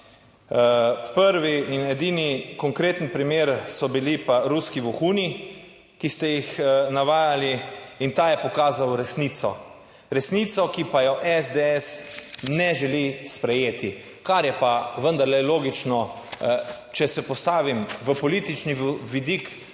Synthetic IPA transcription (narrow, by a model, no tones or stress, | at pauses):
pəɾʋiinɛd̪inikɔŋkɾeːt̪npɾimeːɾsɔbilipaɾuskiʋɔxuːni | kist̪ɛjixnaʋaːjaliint̪aːjɛpɔkaːzawɾɛsnit̪sɔ | ɾɛsnit̪sɔkipajɔʔɛzd̪eɛsnɛʒɛlispɾɛjeːt̪i | kaɾjɛpaʋənd̪aɾlɛloːɡit͡ʃnɔ | t͡ʃɛsɛpɔst̪aːʋimʋəpɔlit̪it͡ʃniʋid̪ik